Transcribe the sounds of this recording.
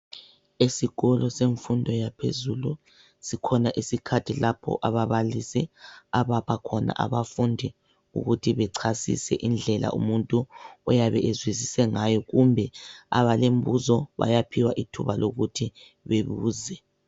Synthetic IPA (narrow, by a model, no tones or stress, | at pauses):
esiɣɔlɔseɱfundʱɔjapʰḛzulu | sikʰɔnaʔisikʰatʰilapʰɔ̰ʔaβaβalisɛaβapʰakʰɔna̰ʔa̰βafundʱi | ṵɣutʰiβɛǀʰasḭsɛ̰ʔind͡ɮʱɛla̰ʔṵmuntʼuɔjaβɛʔezwizisɛŋajɔɣumbʱɛa̰βalem̩βuzɔβa̰japʰiwaʔitʰuβaloɣutʰi | βeβuːzɛ